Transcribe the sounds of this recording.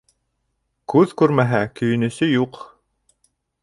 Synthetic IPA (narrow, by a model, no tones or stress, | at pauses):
kʉðkʉɾmæɦækɵ̆jɵ̆nɵ̆sɵjuq